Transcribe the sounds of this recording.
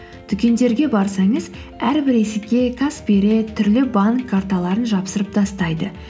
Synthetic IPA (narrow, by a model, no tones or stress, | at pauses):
t̪ʰʏkʲe̞nd̪e̞ɾɡʲe̞bɑɾsɑɴəz | æɾbɪɾesɪkʲe̞kʰaspeɾe̞t̪ʰʏɾlɪbaŋkʰːart̪ɑlˠɑɾənʒɑpsəɾəp̚d̪ɑst̪ɑjd̪ə